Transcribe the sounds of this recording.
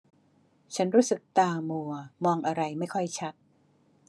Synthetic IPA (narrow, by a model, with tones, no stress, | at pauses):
t͡ɕʰa˦˥nɾuː˦˥sɯ˨˩k̚t̪aː˧mu˧˩ɐmɔː˧ŋʔa˧ɾa˧jma˥˩jkʰɔ˥˩jt͡ɕʰa˦˥t̪̚